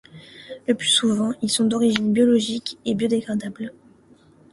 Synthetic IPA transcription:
ləplysuvɑ̃ilsɔ̃d̪ɔʁiʒinbjɔlɔʒikebjod̪eɡʁad̪abl

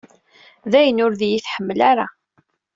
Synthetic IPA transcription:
ðæjənʊɾðjiθħəmːlaɾa

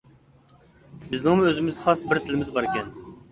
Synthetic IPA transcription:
bɪznɪŋmuøzɪmɪzχɑsbɪɾt̪ʰɪlɪmɪzbɑɾɪkʲɛn

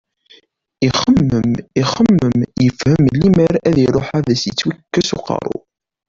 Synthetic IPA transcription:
iχəmːəmiχəmːəmjəfhəmlːiməɾæðiɾˤoħaðæsjət͡sːwækːæsuqɑ̰ɾˤʊ̰

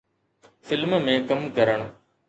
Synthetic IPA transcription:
fɪlmmẽːkɐmkəɾəɳ̃

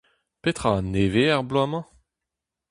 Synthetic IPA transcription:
pet̪χãneveaʁblwamɑ̃

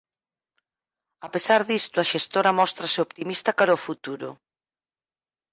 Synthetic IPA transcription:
apesaɾðist̪ʊaʃest̪oɾɐmɔst̪ɾasɪopt̪imist̪akaɾofut̪uɾʊ̰

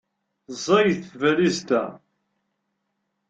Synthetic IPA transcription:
zˤɑjθvælizt̪æ̰

